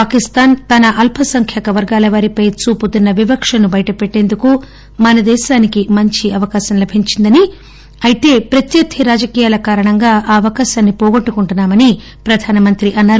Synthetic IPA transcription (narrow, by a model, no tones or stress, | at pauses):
paːkist̪aːnt̪ɐnɐʔɐlpʰɐsɐŋkʰjɛːkɐʋɐɾɡaːlɐʋaːɾipɐjt͡ʃuːput̪inːɐʋibɐkʂɐnubɐjɐʈɐpeʈːe̞ːnd̪uku | mɐnɐd̪ɛːʃaːnikimɐɲt͡ʃiɐʋɐkaːʃɐmlɐbʱiɲt͡ʃind̪ɐni | ɐjit̪e̞ːpɾɐt̪jɐd̪ʰʱiɾaːd͡ʒɐkiːjaːlɐkaːɾɐɳɐŋɡaːʔaːɐʋɐkaːʃaːnːipɔːɡoʈːukuɳʈunːaːmɐni | pɾɐd̪ʱaːnɐmɐnt̪ɾiʔɐnːaːɾu